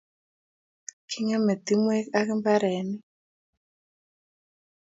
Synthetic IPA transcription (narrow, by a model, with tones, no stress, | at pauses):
kʰi˦ŋɛ˦me˨t̪i˦mwɛ˦ka˦kɪ˦mba˦ɾɛ˨˦ni˦